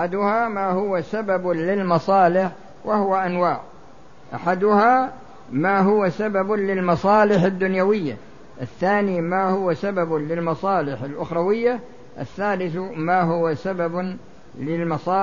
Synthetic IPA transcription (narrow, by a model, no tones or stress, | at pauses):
ʔad̪ʊhamaːhʊwasabablɪlmɑsˤɑːlɪħ | wahʊwaʔanwaːʕ | ʔa̰ħad̪ʊha | maːɦʊwasabablɪlmɑsˤɑːlɪħɪd̪ːʊnjawɪjːa̰ | ʔɪθːaːnimaːhʊwasabablɪlmɑsˤɑːlɪħalʔʊxɾˤɑwɪjːa | ʔɪ̰θːaːlɪθmaːɦʊwasabab | lɪlmɑsˤɑː